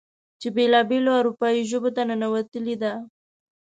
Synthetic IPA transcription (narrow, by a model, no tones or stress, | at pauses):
t͡ʃebelɑbeloaɾupɑiʒəbot̪ananawat̪əlid̪a